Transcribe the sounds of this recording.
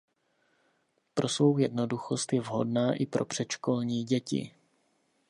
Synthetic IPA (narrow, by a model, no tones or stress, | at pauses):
pɾo̞svo̞wjɛdnoduxo̞st̪jɛvɦo̞̰dnaːʔɪpɾo̞pr̝̥ɛt̪ʃko̞lɲiːɟɛcɪ̰